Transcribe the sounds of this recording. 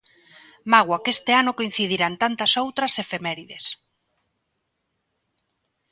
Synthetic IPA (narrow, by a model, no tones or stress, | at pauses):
maɣwakest̪ɪanʊkoin̟θið̞iɾant̪ant̪ɐsowt̪ɾɐsefemɛɾiðes